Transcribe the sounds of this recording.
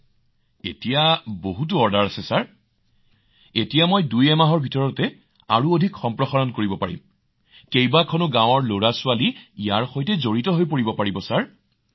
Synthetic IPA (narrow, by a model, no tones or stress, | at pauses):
etijaboɦut̬uɔɹdaɹasɛsaɹ | etijamojdujɛmaɦɔɹbʱitɔɹɔtɛ | a̰ɹuodʱikxɔmpɹɔxaɹɔnkoɹibɔpaɹḭm | kejbakʰɔnʊɡãwɔɹloɹasʊaliijaɹxojtɛzoɹitɔɦojpoɹibɔpaɹibɔsaɹ